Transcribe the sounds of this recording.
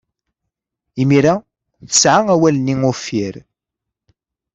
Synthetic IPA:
imiɾa | θə̥sʕaæwæləniŋʊfːiɾ

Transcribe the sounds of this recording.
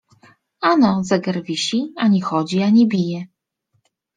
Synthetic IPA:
anɔzaɡɛɾvʲiɕiaɲixɔd͡ʑiaɲibʲijɛ

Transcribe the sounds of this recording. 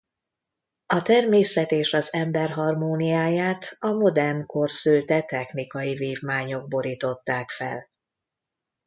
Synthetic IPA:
ɒt̪ɛrmeːsɛt̪eːʃɒzɛmbɛrɦɒrmoːnijaːjaːt̪ɒmo̞d̪ɛrnko̞rsølt̪ɛt̪ɛxnikɒjiveːvmaːɲo̞ɡ̚bo̞ɾiːt̪o̞t̪ːaːkfɛ̰l

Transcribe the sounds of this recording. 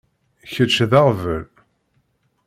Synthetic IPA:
çət͡ʃːðaʁvə̰l

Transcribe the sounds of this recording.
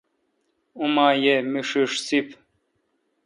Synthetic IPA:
umaːjemiʂiʂsip

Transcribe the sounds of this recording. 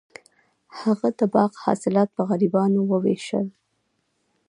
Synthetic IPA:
haɣad̪əbɑqhɑ̰sɪlɑt̪̚pəɣaɾibɑnowəwḛʃə̰l

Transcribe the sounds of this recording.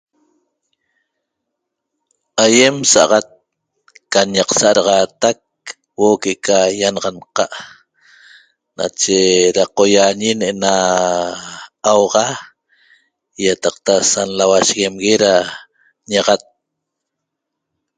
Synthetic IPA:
aje̞msaʔɑʁɑt̪̚ | kaɲɑqsaʔɾɑʁɑːt̪ak̚ | woʔkeʔekajanɑʁɑnqɑʔ | na̰t͡ʃeɾaqo̞jaɲinena | wʁɑ | jat̪ɑq̚t̪asanlawaʃɣemɣeɾa | ɲɑʁat̪̚

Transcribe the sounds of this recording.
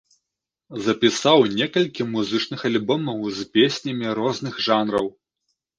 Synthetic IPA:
zɐpʲisawnʲɛkɐlʲkʲimuzɨt͡ʂnɨxɐlʲbɔmɐwzpʲesʲnʲɐmʲiɾɔznɨxʐanɾɐw

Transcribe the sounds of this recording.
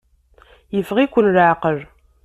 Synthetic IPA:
jəfʁikʷːʊnraʕqəɾ

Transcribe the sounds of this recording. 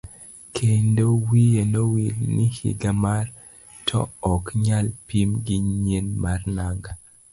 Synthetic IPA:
kʰendowijenowilnihḭɡamar | tʰɔ̰ɔkɲalpimɡiɲɲenmarnaɡa

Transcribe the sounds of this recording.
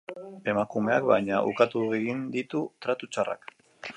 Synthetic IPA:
e̞makume̞akbajɲaʔṵkat̪uɣeɣind̪it̪ut̪ɾat̪ut͡ʃara̰k

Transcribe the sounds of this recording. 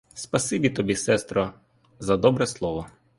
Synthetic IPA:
spɐsɨbʲit̪ɔbʲisɛst̪ɾɔ | zɐd̪ɔbɾɛslˠɔʋɔ

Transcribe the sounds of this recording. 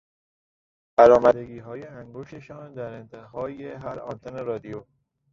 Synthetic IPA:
b̥æɾɒːmæd̪e̞ɡiːɦɒːje̞æŋɡoʃt̪e̞ʃɒːnd̪æɾent̪ʰeɦɒːjeɦæɾɒ̰nt̪ʰone̞ɾɒːd̪ijo

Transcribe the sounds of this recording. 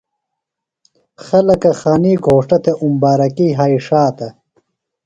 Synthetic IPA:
xɐlɐkɐxaːniːɡʱoːʂʈɐt̪eʔumbaːɾɐkiːɦaːiʂaːt̪ɐ

